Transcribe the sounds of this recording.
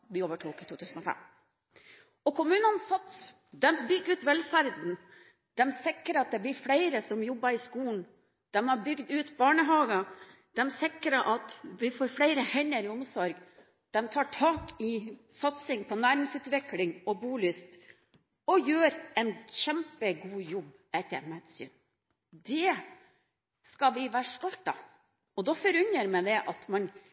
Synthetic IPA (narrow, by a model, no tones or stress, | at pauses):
ʋɪoːʋəʈʰuːkət̪ʰuːt̪ʰʉːsn̩ɔfɛ̰m | ɔkʰʊmʉːnənsɑt̪s | d̪ɛmbʏɡːɾʉːt̪ʋɛlfæɾd̪n̩ | d̪̥ɛmsɪkːɾəɑt̪̚d̪ɛblɪɾfɽæɪɾəsɔmjɔbːɑɾɪskuːn̩ | d̪̥ɛmɑɾbʏɡd̪ʉːt̪bɑːɳəɦɑːɡə | d̪̥ɛmsɪkɾəʔɑt̪ʋɪfoːɾfɽæɪɾəhɛnːəɾɪʊmsɔɾɡ | d̪̥ɛmt̪ʰɑːʈʰɑːkɪsɑt̪sɪŋpʰɔnæːɾɪŋsʉːt̪ʋɪklɪŋɔbuːlʏst̪ | ɔjøːɾɛnçɛmpəɡuːjɔbː | ɛt̪ːəɾmɛd̪sy̰ːn | d̪ɛ | skɑʋɪʋæːɾʂt̪ɔlt̪ɑ | ɔd̪ɔfɔɾʉɲəɾmɛd̪ɛʔɑt̪mɑn